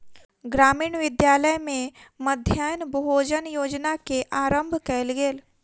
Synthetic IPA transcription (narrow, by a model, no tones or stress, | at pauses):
ɡɾaːmiːɳʋɪd̪jaːləjmẽməd̪ʱjaːjnbɦoːd͡ʒənjoːd͡ʒnakeʔaːɾə̃mbʱkɛlɡeːl